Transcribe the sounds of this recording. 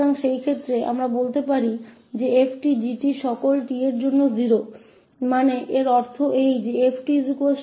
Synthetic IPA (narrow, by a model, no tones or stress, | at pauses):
aŋʃejkʰet̪ːɾea̰mɾabolt̪epaɾi | d͡ʑeepʰʈid͡ʑiʈiʃɔkolʈieɾd͡ʑonːoziɾo | maneʔeɾɔɾt̪ʰoʔejd͡ʑeepʰʈizikue